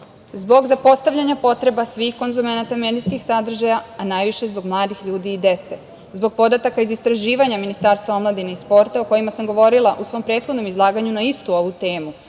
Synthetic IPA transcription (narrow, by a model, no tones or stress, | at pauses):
zbo̞ɡzapo̞st̪aʋʎʲaɲapo̞t̪ɾe̞basʋixko̞nzume̞nat̪ame̞d̪iskixsad̪r̩ʒajaanajʋiʃe̞zbo̞ɡmlˠaːd̪ixʎuːd̪iːd̪e̞t̪se̞ | zbo̞ɡ̚po̞d̪at̪akaizist̪ɾaʒiːʋaɲaminist̪aːɾst̪ʋao̞mlˠad̪ineispo̞ɾt̪aoko̞jimasamɡo̞ʋo̞ɾilˠaʔusʋo̞mpɾet̪xo̞d̪no̞mizlˠaːɡaɲunaist̪uo̞ʋut̪e̞ːmu